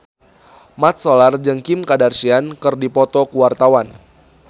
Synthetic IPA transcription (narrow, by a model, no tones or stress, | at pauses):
mat̪̚solard͡ʒəŋkimkadarsiankɨrdipɔt̪ɔkuwart̪awan